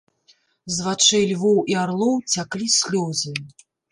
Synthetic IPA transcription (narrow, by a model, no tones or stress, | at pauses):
zvat͡ʂɛjlʲvɔwʔiaɾlˠɔwt͡sʲaklʲisʲlʲɔzʲɨ